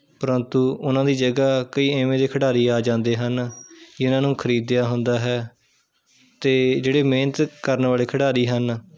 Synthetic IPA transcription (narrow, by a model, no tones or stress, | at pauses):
pəɾənt̪uːʊnãːd̪iːd͡ʒəɡaːkəiːẽːmẽːd̪eːkʰəɽaːɾiːaːd͡ʒãːnd̪eːɦənɪʊnãːnũːkʰəɾiːd̪ːɪjaːɦʊnd̪aːɦɛː | t̪eːd͡ʒeːɽeːmẽːnət̪kəɾnʋaːleːkʰəɽaːɾiːɦən